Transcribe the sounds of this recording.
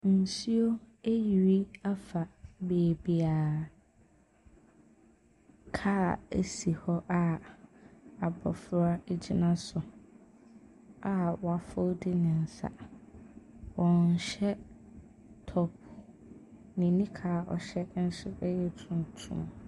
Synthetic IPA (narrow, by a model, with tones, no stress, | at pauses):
n̩˨si˦o˦ | e˦ji˨ɾi˦a˦fa˨beː˨bi˨aː˨ | kʰaː˦ḛ˨si˨hɔ˦ʔa˦ | a˨bɔ̰˨fɾa˦e˦d͡ʑi˦nã˦sʊ˨ | a˦wɔ˨a˨fʊ˦dɪ˦nɪ̃˨n̩˨sa̰˨ | wɔ̃˨n̩˨ɕɛ˦ | tʰɔ˦p̚ | nĩ˨nĩ˦kʰaː˨ɔ̰˨ɕɛ˦n̩˦ɕɪ˦ɛ˦jɛ˨tʰũ˨n˨tʰṵ̃˦m